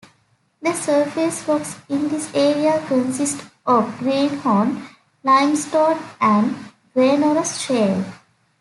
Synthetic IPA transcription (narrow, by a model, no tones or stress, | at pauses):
d̪əsəɾfisfɔksɪ̃nd̪ɪseːɾiakə̃nsɪsʈɔʋɡɾĩːnɔ̃ːn | lãɪ̃msʈɔːʈæ̃ɳɖ | ɡɾẽːnoɾəsʃeːl